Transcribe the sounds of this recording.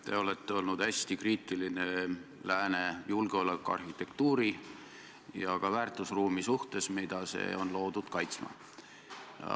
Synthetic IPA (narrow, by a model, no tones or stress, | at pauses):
t̪e̞o̞le̞t̪ːeo̞lnud̪̥hæsʲt̪ikriːt̪ːˑiline̞læːne̞julɡ̥eo̞lekːˑuɑ̰rhit̪ːˑe̞kt̪uːɾi | jɑkɑvæːrt̪ˑusruːmisuht̪e̞smid̪̥ɑse̞̰ːo̞nlo̞ːd̪̥ud̪̥kɑjt̪smɑ̰